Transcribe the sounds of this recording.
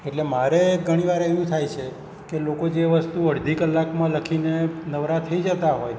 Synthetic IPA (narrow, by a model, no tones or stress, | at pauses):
eʈlemaɾeɡʱəɽ̃iʋaɾeʋũt̪ʰajt͡ʃʰe | kelokod͡ʒeʋəst̪uəɽd̪ʱikəlːakmãləkʰinenəʋɾat̪ʰːəid͡ʒət̪aɦoj